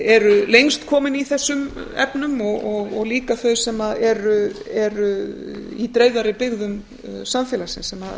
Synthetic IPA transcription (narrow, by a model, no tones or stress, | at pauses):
ɛɾʏlejŋst̪kʰɔːmɪniθɛsːʏmɛ̰pnʏmɔɣɔɣɔɣliːkaθœɥsɛmaðɛɾʏɛɾʏit̪ɾeːjðaɾɪpɪɣðʏm | samfjɛlasɪnsɛmað